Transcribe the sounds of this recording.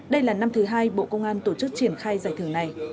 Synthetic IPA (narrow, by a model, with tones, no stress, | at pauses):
ɗə˧jlaː˨˩na˧mt̪ʰɨ˨˦ɦaː˧jɓo̰˧˨kə˧wŋ͡mʔaː˧nt̪o˧˩t͡ɕɨ˦˥k̚t͡ɕi˧˩ənxaː˧jzaː˨˧˩jt̪ʰɨ˧˩əŋna˨˩j